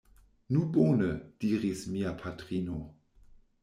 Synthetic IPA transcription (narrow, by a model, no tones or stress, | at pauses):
nubonəd̥iːʁismiapʰatʁino